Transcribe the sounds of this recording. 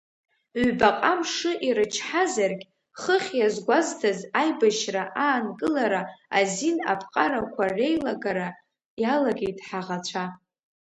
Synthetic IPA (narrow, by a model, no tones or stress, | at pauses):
ʕʷbaqʼamʂɨʔiɾɨt͡ʃʰħazarɡʲ | χəχʲjazɡʷaztʰazajbaʃraʔaːnkʼɨlaɾaazina̰pʰqʼaɾakʷʰarejlaɡaɾa | jalaɡʲejtʼħaʁat͡ʃʷʰa